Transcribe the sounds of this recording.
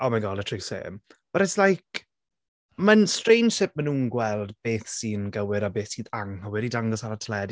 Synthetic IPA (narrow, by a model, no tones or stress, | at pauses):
ɔmaɡɔlˠətʰruwsḛːmv̥əɾɛslajk | mənstrejnʃɪp̚mənuːnɡwɛlˠdb̥eːθsiːnɡəwɪɾabeːθsiːðaŋhəwɪɾidaŋɡɔsaɾatʰlɛd